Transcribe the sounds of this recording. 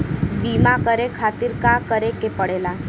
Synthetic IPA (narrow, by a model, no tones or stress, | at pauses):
bimãkəɾekʰat̪iɾkãkəɾekepəɽela